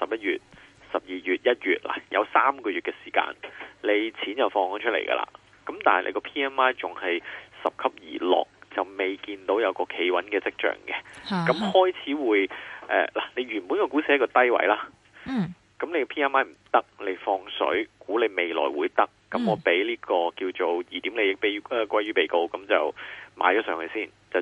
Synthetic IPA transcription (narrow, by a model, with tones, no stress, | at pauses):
sɐ˨p̚jɐ˥t̚jyː˨t̚sɐ˨p̚jiː˨jyː˨t̚jɐ˥t̚jyː˨t̚la̰ː˨˩jɐ̰˨˧wsaː˥mkɔː˧ɥyː˨t̚kɛː˧si̥ː˨˩ka̰ː˧nle˨˧jt͡sʰiː˨˥njɐ˨wfɔː˧ŋhɔ˨˥nt͡ʃʰɵ˥t̚lḛ˨˩jkɐ̰˧lʔa̰ː˨ | kɐ˨˦mt̪aː˨nhɐ˨lʔḛ˧kɔː˧pʰiː˥ɛː˥nmaː˥jt͡sʊ˨ŋhɐ˨jsɐ˨p̚kʰɐ˥p̚jiː˨˩lɔ̰ː˨˩k̚t͡sɐ˨wme˨jkiː˧nt̪o˨˧˥wjɐ˨˧wkɔː˧kʰe˨˥jwɐ̰˨˥nkɛː˧t͡sɪ˥k̚t͡ʃœ̰ː˨˩ŋkɛ˧kɐ˨˥mhɔː˥jt͡sʰiː˨˥wuː˨˧jʔɛ̰ː˨˧laː˨˩ne˨˧jɥyː˨˩npuː˨˥nkɔː˧kuː˨˥sɛː˨˥˦kːɔː˧t̪ɐ˥jwɐ̰˧˥jlaː˥ | kɐ˨˦mne˨˧jkɔː˧pʰiː˥ɛː˥nmaː˥jm̩˨˩t̪ɐ˥k̚le˨˧jfɔː˧ŋsɵ̰˨˥ɥkuː˨˥le˨˧jme˨˩jlɔ̰ː˨˩jwuː˨˧jt̪ɐ˥k̚ːɐ˨˦mŋɔː˨˧pe˨˥jliː˥kɔː˧kiː˧wt͡ʃo˨wjiː˨˩t̪iː˨˥mle˨˧jɪ˨˩k̚pe˨˥jkʷɐ˥jɥyː˥˩pe˨˩jko˧wkɐ˨˦mt͡sɐ˨wma̰ː˨˥jt͡ʃɔː˨˥sœː˨˧ŋkʰɵ˧ɥsiː˥˩n | t͡sɐ˨